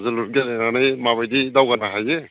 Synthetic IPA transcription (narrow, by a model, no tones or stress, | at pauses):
zɯlut̚ɡalenanajmaβajdidawɡanaɦaje